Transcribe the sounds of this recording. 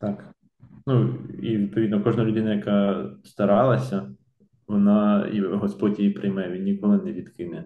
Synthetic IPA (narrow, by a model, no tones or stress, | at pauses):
t̪ɑk | nuḭʋʲid̪̚pɔid̪nɔkɔʒnɐlʲʊd̪ɪnɐjɐkɑst̪ɐɾɑlˠɐsʲɐ | ʋɔnɑɦɔspɔtʲjɛjipɾɪjmɛʋʲinːʲikɔlˠɪnɛʋʲid̪kɪnɛ